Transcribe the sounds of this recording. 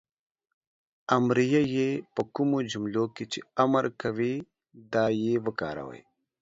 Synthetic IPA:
ɐmɾijajepɐkumod͡ʒumloket͡ʃeɐməɾkɐwi | d̪aːjewəka̰ːɾɐ̰wə̰j

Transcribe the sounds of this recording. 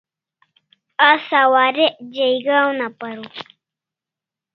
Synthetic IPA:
asawaːɾed͡ʑejɡaːwnapaɾu

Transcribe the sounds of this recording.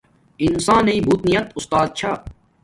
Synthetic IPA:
insãːnɐĩbʱuːt̪nijɐt̪ʊst̪aːd̪̚t͡ɕʰaː

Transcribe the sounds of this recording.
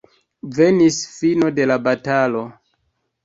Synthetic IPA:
ve̞nisfino̞de̞labatalo̞

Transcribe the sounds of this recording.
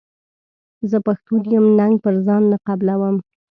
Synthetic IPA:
zəpaxt̪od̪ijəmnaŋɡ̚pəɾzɑnːaqablawəm

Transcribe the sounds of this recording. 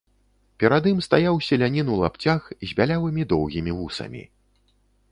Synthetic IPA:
pʲɛɾad̪ɨmst̪ajawsʲɐlʲanʲinuwlˠa̰pt͡sʲaxzʲbʲalʲawɨmʲid̪ɔwɣʲimʲivusɐ̰mʲḭ

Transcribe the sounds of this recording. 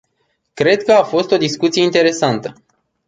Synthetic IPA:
kɾe̞d̪kəafo̞st̪o̞d̪iskut̪sijeint̪e̞ɾe̞sant̪ə

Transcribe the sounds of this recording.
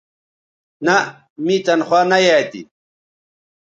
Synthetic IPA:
na | mit͡sɐnxwaːnajat̪ḭ

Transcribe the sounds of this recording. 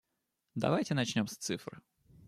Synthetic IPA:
d̪ɐ̰vajtʲɪnɐt͡ɕnʲo̞mst̪sɨfɾɨ̰

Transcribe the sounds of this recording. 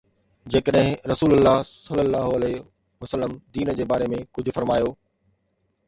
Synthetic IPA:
d͡ʑeːkəɗɦɪ̃ɾɐsuːlʊlːaːɦsɐlːəlːaːɦoɐle | ʋɐsəlːəmd̪iːnəd͡ʑeːbaːɾemẽkʊd͡ʑʱʊ̆fɐɾmaːjoː

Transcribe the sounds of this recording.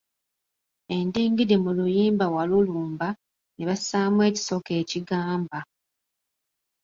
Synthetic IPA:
e̞ndeːŋɡidemulujiːmbawaluluːmba | neβasaːmwe̞ːci̥so̞ke̞ːciɡaːmba

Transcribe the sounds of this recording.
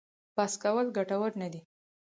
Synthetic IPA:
b̥askawəlɡaʈawəɾnad̪i

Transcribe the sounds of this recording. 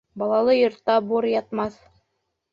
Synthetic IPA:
bɑlˠɑlˠɤjŏɾt̪ːɑbuɾjɑt̪mɑθ

